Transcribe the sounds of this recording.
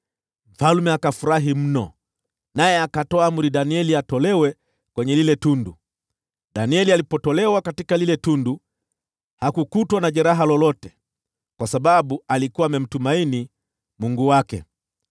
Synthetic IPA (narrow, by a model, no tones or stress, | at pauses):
m̩falumɛakafuɾaɦim̩nɔ | najɛakatɔaamɾiɗaniɛliatɔlɛwɛ | kwɛɲɛlilɛtundu | ɗaniɛlialipɔtɔlɛwakatikalilɛtundu | hakukutwanaʄɛɾaɦalɔlɔtɛ | kwasaɓaɓualikuwaːmɛm̩tumaini | muŋɡuwakɛ̰